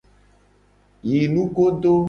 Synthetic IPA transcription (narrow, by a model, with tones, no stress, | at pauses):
ji˨nũ˦ɡo˦ɖo˦